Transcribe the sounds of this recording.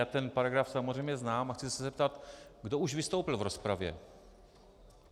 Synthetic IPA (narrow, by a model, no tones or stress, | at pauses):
aːt̪ɛnpaɾaɡɾafsamozrɛjmɲɛznaːmaxt͡sɪsɛzɛp̚t̪at̪ɡdouʒvɪst̪owpɪlvɾospɾavjɛ̰